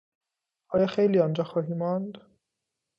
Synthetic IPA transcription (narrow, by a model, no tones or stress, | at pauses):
ʔɒːjɒːxejliːɒnd͡ʒɒːxɒːɦiːmɒnd̪